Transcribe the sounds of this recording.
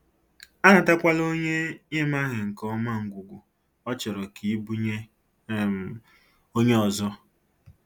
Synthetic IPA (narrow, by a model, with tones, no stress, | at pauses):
a˦nʊ˨ta˦kʷa˦lo˦ɲe˦ɲe˦ma˦ɣɪ˨ŋ̩˨kɔ˦ma˦˨ŋ̩˨ɡʷu˨ɡʷu˨ | ɔ˦t͡ʃɔ˨ɾɔ˨kʰi˨˦bu˦ | o˦ɲe˦ɔ˨zɔ˦